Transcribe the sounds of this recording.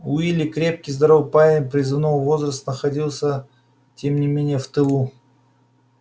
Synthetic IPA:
uilʲɪkɾʲe̞p̚kʲɪjzd̪ɐɾo̞vpaɪnpɾʲɪzɨvnovvo̞zrəst̪nəxɐdʲilˠsʲə | tʲe̞mnʲɪmʲenʲɪjəft̪ɨlˠu

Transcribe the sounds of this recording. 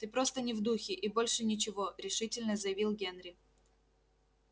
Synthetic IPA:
t̪ɨpɾo̞st̪ənʲɪvd̪uxʲɪʔibo̞lʲʂɨnʲɪt͡ɕɪvo̞ɾʲɪʂɨtʲɪlʲnəzəjɪvʲilˠɡʲenɾʲɪ

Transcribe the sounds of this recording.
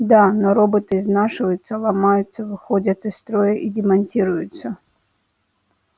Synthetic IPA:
d̪anoɾobɨt̪ɨznaʂɨvəjʊt̪səlˠɐmajʊt̪sːəvɨxodʲət̪ɨst̪ɾojəʔidʲɪmɐnʲtʲiɾʊjʊt̪sə

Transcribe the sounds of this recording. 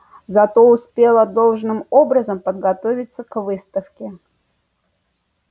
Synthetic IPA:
zɐt̪o̞ʊspʲe̞lˠəd̪o̞lˠʐnɨmobɾəzəmpəd̪̚ɡɐt̪ovʲɪt̪səkvɨst̪əfkʲɪ

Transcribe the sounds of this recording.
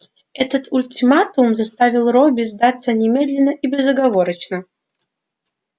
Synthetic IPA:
ɛt̪ət̪ʊlʲtʲimat̪umzɐst̪avʲɪlˠrobʲɪzd̪at̪sənʲɪmʲed̪lʲɪnːəʔibʲɪzːəɡɐvoɾət͡ɕnə

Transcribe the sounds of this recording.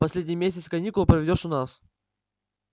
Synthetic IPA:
pɐsʲlʲedʲnʲɪjmʲesʲɪt̪sɨkɐnʲikʊlˠəpɾəvʲɪdʲoʂʊnas

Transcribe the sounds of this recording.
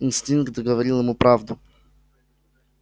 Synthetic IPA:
inst̪iŋk̪ɡovɐɾilˠəmʊpɾavd̪ʊ

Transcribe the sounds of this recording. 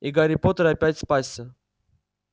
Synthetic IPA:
iɡaɾʲɪpot̪əɾapʲætʲspasʲːə

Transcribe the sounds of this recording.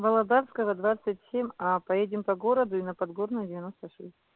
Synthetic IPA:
vɐlˠɐd̪aɾskəvəd̪vat̪sɨtʲsʲemʲapɐjedʲɪmpɐɡo̞ɾəd̪ʊinɐpɐd̪ɡornʊjdʲɪvʲɪno̞st̪əʂɛsʲt̚ʲ

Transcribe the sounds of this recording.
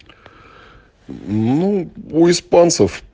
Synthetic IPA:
nuʊispansəf

